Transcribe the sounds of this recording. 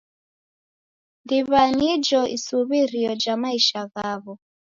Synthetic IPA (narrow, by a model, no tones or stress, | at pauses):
ndiβanid͡ʒɔʔḭsuβiɾiɔd͡ʒamaiʃaɣaβɔ